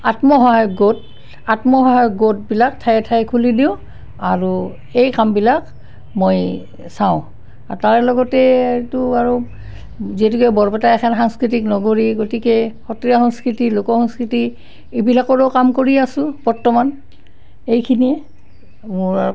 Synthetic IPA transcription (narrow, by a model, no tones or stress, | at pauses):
atmɔɦɔɦajɡot̚ | atmɔɦɔɦajɡot̚bilak̚tʰajɛtʰajkʰulidiʊ̃ | aɹu | ejkambilak | moj | saʊ̃ | ataɹɛlɔɡɔtɛtuaɹo | ziɛtukɛbɔɹpɛtaɛxʰanxaŋskɹitiknɔɡoɹiɡotikɛxɔtijaxɔŋskɹitilokɔxɔŋskɹiti | ebilakɔɹɔkamkoɹiasʊ̃b̥ɔɹtɔman | ejkʰiniɛ | mʊɹa